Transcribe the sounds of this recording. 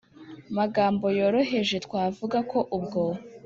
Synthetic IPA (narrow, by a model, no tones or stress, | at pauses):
maɡaːmbo̞jo̞ːɾo̞ɦe̞ʒe̞tkwaːvuɡako̞ʔub̚ɡo̞